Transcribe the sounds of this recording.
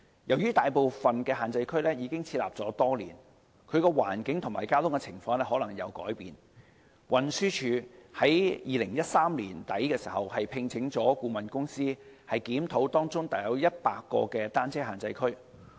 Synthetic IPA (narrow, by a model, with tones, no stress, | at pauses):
jɐ˨˩wjyː˥t̪aː˨jpo˨wfɐ˨nkɛː˧ɦaː˨nt͡sɐ˧jkʰɵ˥ɥlɛː˥jiː˨˧kɪ˥ŋt͡sʰiː˧t̚la̰ː˨p̚t͡sɔː˨˥t̪ɔː˥lḭː˨˩n | kʰɵ˨˧ɥkɛː˧wa̰ː˨˩nkɪ˨˥ŋt̪ʰʊ˨˩maː˨˩jkaː˥t̪ʰʊ˥ŋkɛ˧t͡sʰɪ˨˩ŋfɔː˧ŋlɛː˥ɦɔː˨˥lɐ˨˩ŋjɐ˨˧wkɔ̰ː˨˥jpiː˨n | wʔɐ˨nsyː˥t͡ʃʰyː˨˥hɐ˨˥jjiː˨˧lɪ˨˩ŋjɐ˥t̚saː˥mliː˨˩nt̪ɐ˨˥jkɛː˧si̥ː˨˩hɐ˨˩whɐ˨jpʰɪ˧ŋt͡sʰɪ˨˥ŋt͡sɔː˨˥kuː˧mɐ˨nkʊ˥ŋsiː˥ | hɐ˨jkiː˨˥mt̪ʰo˨˥wt̪ɔː˥ŋt͡sʊ˥ŋt̪a˨˩jɐ˨˧˥wjɐ˥t̚paː˧kːɔ̰ː˧kɛː˧t̪aː˥nt͡sʰɛː˥ɦaː˨nt͡sɐ˧jkʰɵ˥ɥ